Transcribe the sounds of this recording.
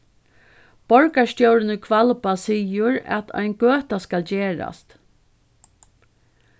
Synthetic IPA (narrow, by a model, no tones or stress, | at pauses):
b̥ɔɹkast̪jɔwɾɪnʊkʰvalpasiːjʊɹæ̰t̪ʰa̰jnɡøːt̪askald͡ʒeːɹa̰st̪